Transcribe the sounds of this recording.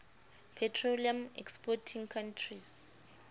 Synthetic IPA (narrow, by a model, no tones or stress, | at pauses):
pʰɛtʰroliamɛ̰kspɔtʰiŋkʰantʰris